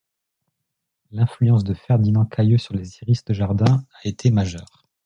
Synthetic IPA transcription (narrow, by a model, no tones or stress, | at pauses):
lɛ̃flyɑ̃s̬d̪əfɛʁd̪inɑ̃kʰajøsyʁleziʁist̪əʒaʁd̪ɛ̃aet̪ʰemaʒœːʁ